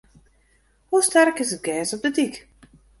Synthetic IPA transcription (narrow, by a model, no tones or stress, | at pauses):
hustɛrkɪsət̚ɡɛːsɔp̚dədik